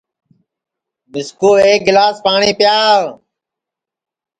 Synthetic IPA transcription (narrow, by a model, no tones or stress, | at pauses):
mɪskoːeːk̚ɡɪlaːspaːɳẽːpjaːɾ